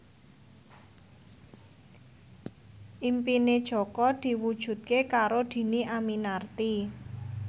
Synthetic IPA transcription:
ʔimpined̥ʒ̥ɔ̤kɔd̪̥i̤wud̥ʒ̥ṳt̪̚kekaɾod̪̥i̤niʔaminart̪i

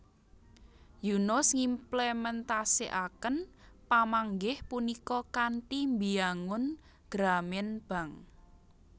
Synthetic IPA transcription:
junɔsŋimplɛmɛnt̪asiʔakənpamaŋɡɪhpunikɔkanʈimbiaŋʊn | ɡ̥ɾamɛnb̥a̤ŋ

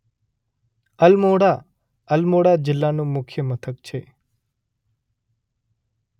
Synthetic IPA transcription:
əlmoɽa | əlmoɽad͡ʒɪlːanũmʊkʰjəmət̪ʰək̚t͡ʃʰe

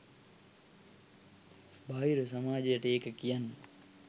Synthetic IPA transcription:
baːjiɾusamaːd͡ʒejəʈəeːkəkijanːə

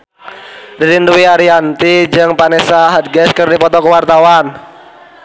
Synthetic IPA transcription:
diɾinduwiaɾiant̪id͡ʒɨŋpanɛsaɦad̪̚ɡɛskɨrdipɔt̪ɔkəwart̪awan

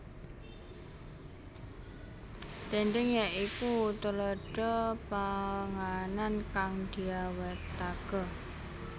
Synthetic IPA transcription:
t̪eɳɖɪŋjaʔikut̪əlɔɖ̥ɔpaəŋanankaŋd̪̥iawɛt̪ːaɡ̥ɔ

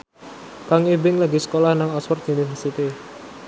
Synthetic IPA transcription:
kaŋibɪŋlaɡisə̥kolahnaŋɔswɔrt̪univərsit̪i

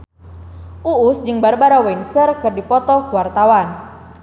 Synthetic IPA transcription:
ʔuːsd͡ʒɨŋbarbaɾawɛinsərkɨrdipɔt̪ɔkuwart̪awan

